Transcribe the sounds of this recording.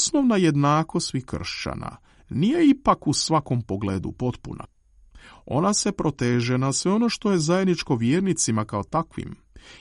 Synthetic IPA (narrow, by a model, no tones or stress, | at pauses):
sno̞ʋnaje̞d̪naːkost̪ʋikr̩ʃt͡ɕa̰na̰ | nije̞ipakusʋako̞mpo̞ɡleːd̪ṵpo̞t̪puna̰ | o̞̰nase̞pɾo̞t̪e̞ːʒe̞nasʋe̞o̞no̞ʃt̪o̞je̞zajed̪nit͡ʃko̞ʋjeːɾnit̪simakao̞t̪akʋḭm